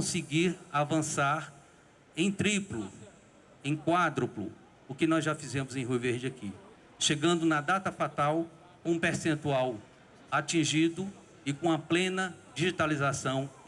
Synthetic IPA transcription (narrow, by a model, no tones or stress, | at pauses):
kõsɪɡiɾavɐ̃saɾ | ẽj̃t̪ɾiplʊ | ẽj̃kwad̪ɾʊplʊ̰ | ʊkɪnɔzʒafizẽmʊzẽj̃ɦujveɾd͡ʒɪaki | ʃeɡɐ̃nd̪ʊnɐd̪at̪ɐfat̪aw | kõũpeɾsẽnt̪uaw | at͡ʃĩʒid̪ʊ | ɪkõɐplẽnɐd͡ʒiʒit̪alizasɐ̃w̃